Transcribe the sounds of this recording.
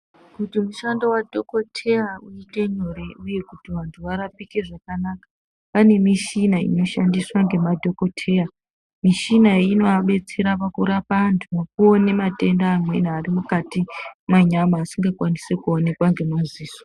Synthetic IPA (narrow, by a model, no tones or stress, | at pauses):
kutimuʃandowadʱo̞ko̞tʰe̞auite̞ɲo̞ɾe̞uje̞kutiʋantʰuʋaɾapike̞ʐakanaːka | pane̞miʃinaḭno̞ʃandiswaŋɡe̞madʱo̞ko̞tʰe̞ːa | miʃinaino̞aɓe̞t͡se̞ɾapakuɾapaːntʰumok̚uone̞mate̞ndaːmwḛnaːrimukatimaɲamaːsiŋɡakwanisekuo̞ne̞kwaŋɡe̞mumuziːso